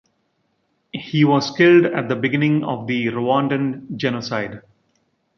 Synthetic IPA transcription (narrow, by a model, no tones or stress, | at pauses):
hiːʋɔːzkɪlɖæʈ̚d̪əbɪɡɪnɪ̃ŋɔ̰ːʋd̪iɾoɔ̃ɳɖə̃nd͡ʒɛnosaɪɖ